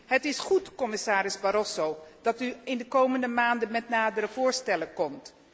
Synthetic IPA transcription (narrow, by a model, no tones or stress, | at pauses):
ɦətɪsχutkɔmɪsaːɾɪzbaɾɔsowd̥ɑtyɪndəkowməndəmaːndənmɛtnaːdərəv̥ʊːɹstɛləkɔmt